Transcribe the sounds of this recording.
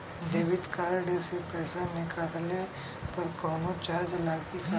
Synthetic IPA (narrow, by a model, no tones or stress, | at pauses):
d̪eːʋɪt̪kaːɾɽesepɛːsanɪkaɾle | pɐɾkɔːnot͡ʃaːɾd͡ʒlaːɡika